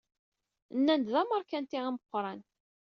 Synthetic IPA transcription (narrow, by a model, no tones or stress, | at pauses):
nːænd̪ðæməɾˤkænt̪iiməqʷːɾˤɑn